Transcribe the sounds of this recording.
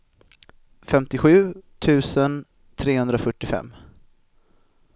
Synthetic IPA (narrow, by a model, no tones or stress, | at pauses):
fɛmt̪ɪɧʉ̟ːt̪ʰʉ̟ːsən | t̪ʰɾeːhɵnd̪ɾafœʈːɪfɛ̰mː